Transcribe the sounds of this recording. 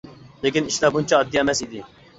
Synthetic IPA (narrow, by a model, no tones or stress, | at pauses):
lekʲiniʃlaːbunt͡ʃaːd̪ːijamɛsid̪i